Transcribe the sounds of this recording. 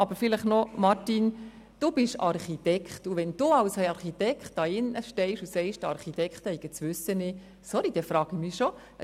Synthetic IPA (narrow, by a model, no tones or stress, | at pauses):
ɑbəɾfɪləχnɔmɑrtin | d̥ub̥ɪʃɑrχit̪ɛkχtuʋɛnd̥uːɑwshɛɑɾχit̪ɛkχtɑɪnʔəʃtɛɪʃusɛɪʃtɑ̰ɾχit̪ɛkχt̪hɛɪɡət͡sʋʉsːənɪ | sɔɾid̥ɛfɾɑːɡ̥imiʃɔ